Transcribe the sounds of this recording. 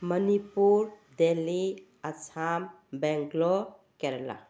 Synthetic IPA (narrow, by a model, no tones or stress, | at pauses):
mənipuɾd̪eli | ət͡ʃʰam | bɛ̃ŋɡlo | kɛɾla̰